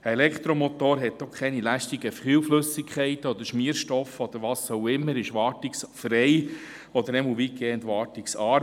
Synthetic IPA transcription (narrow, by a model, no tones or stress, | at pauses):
elɛkχt̪ɾomot̪oːɾɦɛt̚dɔχkʰɛnilæʃtiɡəfχyːwflɵsɪkʰχɛɪtəɔd̥̪əɾʃmiːɾʃtɔfɔd̪̥əɾʋɑːsowɪmːəɾɪʃʋɑːrtɪksfɾɛj | ɔd̪əɾɛməlʋiːɡɛːəntʋɑːɾtɪksɑːɾ